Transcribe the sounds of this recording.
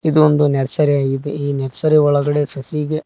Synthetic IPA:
id̪uond̪unɛɾɐsɐɾeaːjid̪eiːnɛɾɐsɐɾiɔɭɐɡɐɽe̞sɐsiɡe

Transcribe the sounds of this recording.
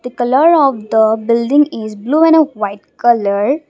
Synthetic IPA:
d̪̥əkɐləɾɔːʋd̪əbɪlɖɪ̃ŋɡɪzbluːɛ̃nəʋaɪʈ̚kɐləɾ

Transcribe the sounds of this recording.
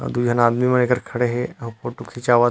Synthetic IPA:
d̪ud͡ʒʱanad̪mimənekəɾkʰəɽeɦeɦəpoʈːukʰit͡ɕaʋa

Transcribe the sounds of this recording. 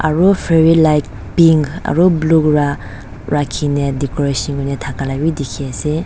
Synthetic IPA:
a̰ɾupʰeɾilajk̚ | piŋɡa̰ɾublukɾa | ɾakʰinedikoɾesinɡunetʰakalajbidikʰiase

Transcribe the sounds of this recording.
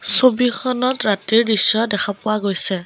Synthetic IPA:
sobixʰɔnɔtɹatiɹdisːɔdɛxʰapʊwaɡojsɛ

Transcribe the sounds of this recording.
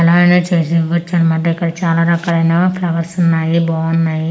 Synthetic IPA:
ɐlaːɐnot͡ʃeːsiɡɐt͡ʃːɐnmɐʈːɐikːɐɽɐt͡ʃaːlaːɾɐkaːɾɐjnapʰlɐʋɐɾsunːaːjibɔːʋɐnːaːji

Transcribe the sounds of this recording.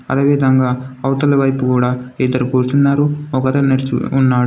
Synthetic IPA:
ɐ̰lɐʋɛːd̪ʱɐŋɡaːɐwt̪ɐlɐʋɐjpukuːɽaːid̪ɐɾukuːɾut͡ʃunːaːɾuɔkɐt̪ɐneɾt͡ʃṵːnːaːɽu

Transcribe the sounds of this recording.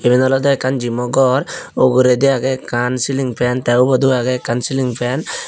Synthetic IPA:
ebinɔlɔd̪ɔɛkːand͡ʒimɔɡɔɾoɡuɾed̪iaɡɛkansiliŋpʰɛnt̪ɛwbɔd̪uaɡɛkːansiliŋpʰɛn

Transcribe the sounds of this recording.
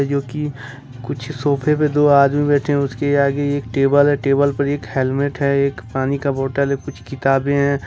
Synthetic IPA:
d͡ʒoːki | kʊt͡ʃʰsoːpʰeped̪oːaːd̪mibɛːʈʰeɦɛ̃ʊskeaːɡeeːk̚ʈeːbəlɦɛʈeːbəlpɐɾeːkhɛːlmeʈɦɛeːkpaːnikaboːʈəlɦɛkʊt͡ʃʰkɪt̪aːbẽɦɛ̃ː

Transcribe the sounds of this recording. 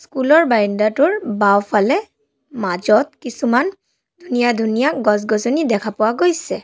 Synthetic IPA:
skulɔɹbaɹindatʊɹbawpʰalɛ | mazɔt̚kisuman | dʱunijadʱunijaɡɔzɡɔzonidɛkʰapʊwaɡojsɛ

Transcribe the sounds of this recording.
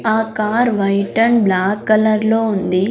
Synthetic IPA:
aːkaːɾʋɐjʈɐnblaːkːɐlɐɾloːund̪i

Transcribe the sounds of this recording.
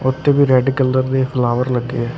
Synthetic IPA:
ʊt̪ʰːeːbiːɾɛːɖikəlːəɾd̪epʰlaːʋəɾləɡːḛɛː

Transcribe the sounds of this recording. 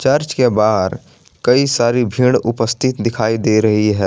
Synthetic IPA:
t͡ʃɐɾt͡ʃkebaːɦɾ | kɐisaːɾibʱiːɽʊpəst̪ʰɪt̪d̪ɪkʰaːid̪eːɾɐɦiɦɛː

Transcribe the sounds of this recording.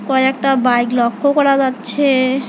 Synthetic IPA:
kɔjɛk̚ʈabajklɔkʰːokɔɾad͡ʑatːɕʰe

